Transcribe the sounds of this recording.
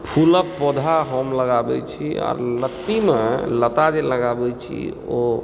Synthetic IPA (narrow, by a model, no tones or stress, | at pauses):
pʰuləpːɔd̪ʱaɦomləɡabɛ̰t͡ʃʰiɔ̰ːɾlət̪ːimelət̪ad͡ʒeləɡabɛt͡ʃʰḭo